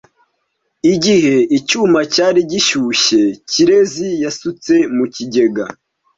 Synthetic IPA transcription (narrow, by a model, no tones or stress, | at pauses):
iɟiɦe̞icumacaːɾiɟiʃuːʃe̞ciɾe̞zijasut͡se̞muciɟe̞ɡa